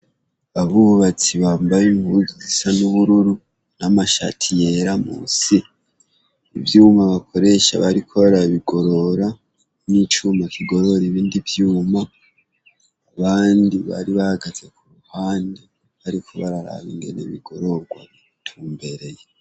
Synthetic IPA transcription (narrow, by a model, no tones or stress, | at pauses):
βaβuβat͡siβaːmbajiɱuzizisanuβuɾuɾu | namaʃa̰tʰije̞ɾamṵːsi | ḭvjuːmaβakʰo̞ɾe̞ʃa̰βaɾikʰo̞βaɾaβiɡo̞ɾo̞ɾa | nit͡ʃuːmakʰiɡo̞ɾo̞ɾiβiːndivjuːma | βaːndiβa̰ɾiβahaɡaze̞kuɾuhaːnde | βaɾikʰoβaɾaɾa̰βiŋɡe̞̰nḛβḭɡo̞ɾo̞ɡwa̰ | tʰuːmbe̞ɾe̞je